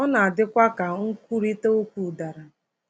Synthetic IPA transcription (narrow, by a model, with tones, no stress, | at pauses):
ɔ˦na˨a˨dɪ˦kʷa˦ka˨ŋ̩˦kʷu˦ɾi˦te˦o˦kʷu˦˨da˨ɾa˨